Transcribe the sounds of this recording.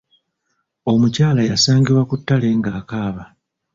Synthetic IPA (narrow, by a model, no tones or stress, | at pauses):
o̞mucaːlajasaːŋɡiɾwakutːale̞ŋɡaːkaːβa